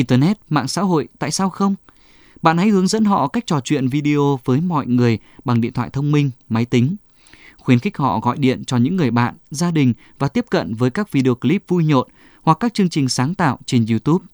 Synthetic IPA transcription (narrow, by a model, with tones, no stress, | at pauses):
ʔi˧nt̪əː˧nɛ˦˥t̚ma̰ː˧˨ŋsa̰ː˧˥ɦo̰˧˨jt̪a̰ː˧˨jsaː˧wxə˧wŋ͡m | ɓa̰ː˧˨nha˨˦jhɨ˨˦əŋzə̰˧˥nɦɔ̰˧˨ka˦˥jk̟̚t͡ɕɔ˨˩t͡ɕwḭ˧˨ənvi˧ɗi˧o˧vəː˨˦jmɔ̰˧˨jŋɨ˨˩əj | ɓa˨˩ŋɗḭ˧˨ənt̪ʰwa̰ː˧˨jt̪ʰə˧wŋ͡mmï˧ŋ̟ma˨˦jt̪ï˨˦ŋ̟ | xwi˧˦ənxi˦˥k̟̚hɔ̰˧˨ɣɔ̰˧˨jɗḭ˧˨ənt͡ɕɔ˧ɲɨ̰˧˥ŋːɨ˨˩əjɓa̰ː˧˨nzaː˧ɗï˨˩ŋ̟ | vaː˨˩t̪i˦˥əp̚kə̰˧˨nvəː˨˦jkaː˦˥k̚vi˧ɗe˧o˧ki˧li˦˥p̚vu˧jɲo˨t̚ | hwa˨˩kːaː˦˥k̚t͡ɕɨ˧əŋt͡ɕï˨˩ŋ̟saː˨˦ŋt̪a̰ː˧˨wt͡ɕe˧nzi˧t̪u˦˥p̚